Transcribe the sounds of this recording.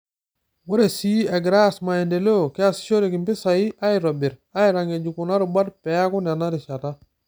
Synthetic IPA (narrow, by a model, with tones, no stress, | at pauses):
wo˦ɾe˨si˦e˨ɡɾa˦asma˨je˨nde˨lo˦˨ke˦a˨si̥˨ʃo˦ɾi˨ki˨mpi˦sa˨ji˦ʔa˦iɾo˨bi˨ɾa˦iɾa˨ŋe˨d͡ʒu˨ku˨na˦ɾi˨ba˦dpe˨ja˦ku˦nda˨na˦ɾi˨ʃa˨ta˦